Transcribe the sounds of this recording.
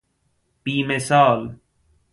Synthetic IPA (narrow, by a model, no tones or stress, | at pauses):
piːmesaːl